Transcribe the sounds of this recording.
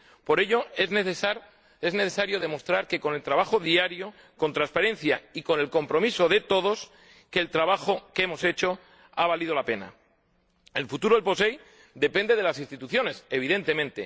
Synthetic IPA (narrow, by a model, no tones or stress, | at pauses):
po̞ɾe̞ʎo̞ezneθesaɾ | e̞zneθe̞saɾjo̞ðe̞mo̞st̪ɾaɾke̞ko̞ne̞lt̪ɾaβaxo̞ðiaɾjo̞ | ko̞nt̪ɾaspaɾẽ̞nθjaiko̞ne̞lko̞mpɾo̞miso̞ðe̞t̪o̞ð̞o̞s | ke̞ːlt̪ɾaβaxo̞keemo̞se̞t͡ʃo̞ | aβalið̞o̞lape̞na̰ | elfut̪uɾoelpo̞se̞j | d̪e̞pe̞nd̪e̞ð̞e̞lasinst̪it̪uθjo̞ne̞se̞βiðe̞nt̪e̞mẽnt̪e̞